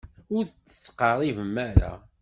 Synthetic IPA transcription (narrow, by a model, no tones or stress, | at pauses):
ʊɾt͡sːə̥t͡sːqɑɾˤivəmːæɾæ̰